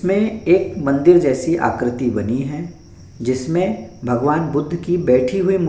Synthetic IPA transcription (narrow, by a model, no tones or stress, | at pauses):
mẽeːkmɐ̃nd̪ɪɾd͡ʒɛːsiʔa̰ːkɾɪt̪ibɐniɦɛ | d͡ʒɪsmẽbʱɐɡʋaːnbʊd̪ʱːkibɛːʈʰiɦuim